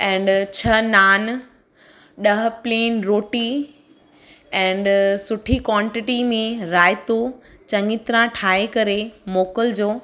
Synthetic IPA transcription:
ɛ̃ːɳɖt͡ɕʰɐnaːn | ɗɐɦpleːnɾoːʈi | ɛ̃ːɳɖsʊʈʰikwãːɳʈɪʈimẽɾaːɪt̪ot͡ɕɐ̃ŋɡɪt̪ɾãʈʰaːekɐɾemoːkəld͡ʑoː

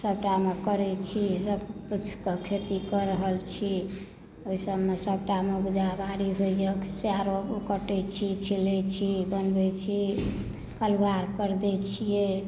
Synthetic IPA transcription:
səb̚ʈamekəɾɛt͡ʃʰisəbput͡ʃʰkəkʰet̪ikəɾəɦəlt͡ʃʰi | oisəmesəbʈameɡud͡ʒabaɾiɦojd͡ʒəkseaɾopkəʈɛt͡ʃʰit͡ʃʰilɛt͡ʃʰibənbɛt͡ʃʰi | kəlbaɾkəɾd̪ɛt͡ʃʰije

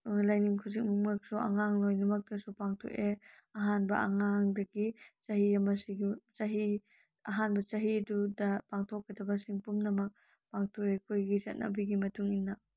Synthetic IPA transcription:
uŋlajniŋkʰuzik̚mumak̚sɔʔa̰ŋaŋlɔjnɐmɐk̚dɐsupaŋtʰɔ̰ʔe | ɐɦanbɐʔaŋaŋdɐkit͡ʃaɦijamasiɡt͡ʃaɦi | ɐɦanbɐt͡ʃaɦidudɐpaŋtʰɔkːɐt̪ʰabɐsiŋpumnɐmɐk̚ | paŋtʰɔʔekʰujɡizat̚na̰biɡimɐtʰuŋinːa

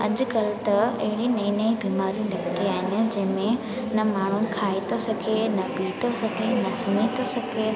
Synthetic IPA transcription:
ɐ̰d͡ʑʊ̆kɐlt̪ɐɐ̰ɦɪɽinɐ̃ĩnɐĩbiːmaːɾijũnɐkt̪iaːɦɪnɪ̆d͡ʑɐ̃ɦɪ̃mẽ | nɐmaːɳ̤ʊnɪ̆kʰaːit̪ʰosɐɡʱenɐbiːt̪ʰosɐɡʱenɐsʊnit̪ʰosɐɡʱe

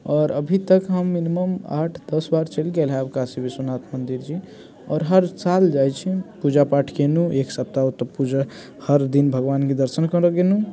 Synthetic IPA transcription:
ɔːɾəbʱit̪əkɦəmːiniməma̰ʈʰd̪əsbaɾt͡ʃəlɡelɦaəbkasibʱisunat̪ʰmənd̪iɾd͡ʒi | ɔːɾɦəɾsald͡ʒajt͡ʃʰipud͡ʒapaʈʰkenũeksəp̚t̪aot̪əpud͡ʒə | həɾd̪inbʱəɡʋanked̪əɾsənkəɾəɡenu

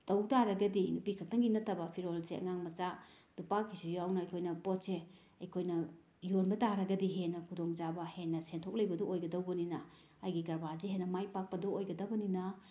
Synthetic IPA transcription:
tɐwtaɾɐɡɐdinupikʰɐk̚tʰɐŋɡinɐtʰːɐbɐpʰiɾolseʔɐ̰ŋaŋmɐt͡ʃa | d̥upakʰːisujawnɐɐjkʰojnɐpɔt̚se | ɐjkʰojnɐ | jonbɐtaɾɐɡɐdiɦenɐkʰudoŋd͡ʒabɐhenːɐsentʰok̚lɐjbɐdɔojɡɐdɐwbɐninɐ | ajɡikɐɾbaziɦenːɐmajpak̚pɐdɔojɡɐdɐbɐninɐ

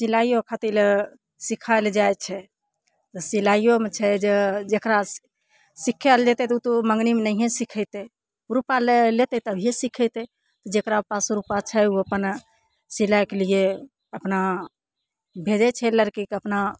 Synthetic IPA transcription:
silajokʰat̪il | sikʰald͡ʒajt͡ʃʰɛ | t̪ɔsilajjomet͡ʃʰɛd͡ʒed͡ʒekɾa | sikʰːɛld͡ʒɛt̪ɛt̪ut̪uməŋɡnimenəɦẽsikʰəɪt̪ɛ | uɾupalelet̪ɛt̪əbʱijesikʰɛt̪ɛ | t̪ɔd͡ʒekɾapasɾupat͡ʃʰɛuəpən | silajkelie | əpna | bʱed͡ʒɛt͡ʃʰɛləɾkikəpna

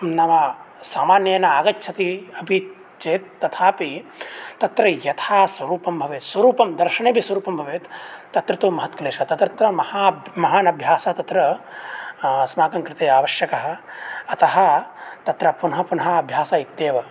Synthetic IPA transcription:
nɐʋɐ | saːmaːnjɐːnɐaːɡɐtːt͡ʃʰɐt̪iɐbʱi | t͡ʃeːt̪̚ːɐt̪ʰaːpit̪ɐt̪ɾɐjɐt̪ʰaːsʋɐɾuːpɐmbʱɐʋeːt̪swɐɾuːpɐmd̪ɐɾʃɐneːbʱiswɐɾuːpɐmbʱɐʋeːt̪t̪ːɐt̪ɾɐt̪uːmɐɦɐt̪kɐleːʃɐt̪ɐt̪ɾɐt̪ɾɐmɐhaːmɐɦaːnɐbʱjaːsɐɐt̪ɐt̪ɾɐ | smaːkɐŋkɾɪt̪eːjaːʋɐʃjɐkɐɦɐ̆ɐt̪ɐɦɐ̆t̪ɐt̪ɾɐpunɐɦɐpunɐɦɐɐbʱjaːsaːit̪ːeːʋɐ

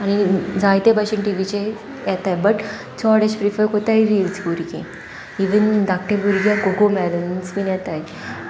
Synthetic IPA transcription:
añid͡zajt̪ebaɕiɳʈiʋit͡ɕe | jɛt̪ajbəʈ | t͡sɔɽeɕpɾifəɾkot̪ajɾilsɡuɾɡḛ̃ | iʋənd̪ak̚ʈebuɾɡjãɡoɡomɛd̪ənsminjɛt̪aj

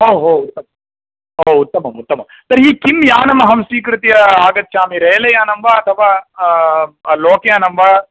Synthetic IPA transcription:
ɦoːɦoːut̪ːɐmɐ | ɦoːut̪ːɐmɐmut̪ːɐmɐm | t̪ɐɾɦiːkimjaːnɐmɐɦɐmsiːkɾut̪ijɐaːɡɐt̪̚ːʃaːmiɾeːlɐjaːnɐmʋaɐt̪ʰɐʋaː | loːkejaːnɐmʋaː

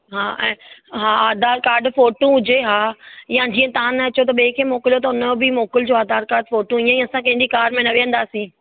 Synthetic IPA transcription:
ɦaːʔɛ̃ːɦaːaːd̪aːɾkaːɾɖfoːʈũɦʊd͡ʑeɦaːjãd͡ʑiːə̃t̪ãːnɐɐt͡ɕot̪̬ɐɓẽːkʰemoːkɪlijot̪̬ɐʊnbɪmoːkɪld͡ʑoaːd̪aːɾkaːɾɖfoːʈũijãj̃ɐsãkɐ̃ɦɪ̃ndikaːɾmẽnɐʋeʋə̃nd̪aːsĩː

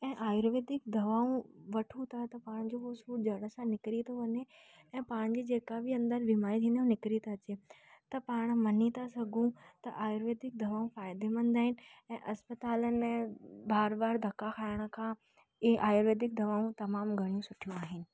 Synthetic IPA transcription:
ɛ̃ːʔaːjɾʋeːd̪ɪk̚d̪ɐʋaːũʋɐʈʰũt̪ʰat̪ɐpaːɽ̃d͡ʑoɦosuːd͡ʑɐɽəsãnɪkɾit̪ʰoʋɐɲe | ɛ̃ːpaːɽ̃d͡ʑid͡ʑeːkabʱiɐ̃nd̪əɾbimaːɾit̪ʰĩːnd̪aɦũnɪkɾit̪aɐt͡ɕe | t̪ɐpaːɽ̃mɐnit̪asɐɡʱũt̪ɐʔaːjɾʋeːd̪ɪk̚d̪ʱɐʋaːũfaːɪd̪emə̃nd̪aːɦɪnɪ̆ɛ̃ːʔɐspət̪aːlənebaːɾbaːɾd̪ʱɐkːakʰaːɪɽ̃ə̆kʰã | ɪeʔaːjɾʋeːd̪ɪk̚d̪ɐʋaːũt̪ɐmaːmɡʱɐɽ̃ijũsʊʈʰijũaːɦɪnɪ̆

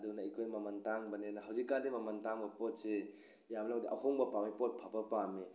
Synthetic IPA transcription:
dunaikʰojmɐmɐntaŋbɐnenɐɦɐwzikːandimɐmɐntaŋbɐpot̚se | jamlaŋdiʔɐ̰hoŋbɐpamipot̚pʰɐbɐpami

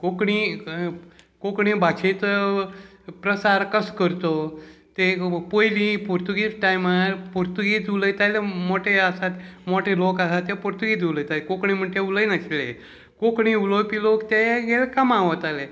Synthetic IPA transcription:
kokɳi | kokɳĩbat͡ɕʰet͡s̪ | pɾəsaɾkəskəɾt̪ot̪epojlipuɾt̪uɡit͡sʈajmaɾpuɾt̪uɡit͡suləjt̪alemoʈʰeasat̪moʈʰelokasat̪epuɾt̪uɡit͡suləjt̪alekokɳim̤əɳʈ̪euləjnaɕilḛ | kokɳ̃iulopilokt̪eɡelekamaʋət̪ale

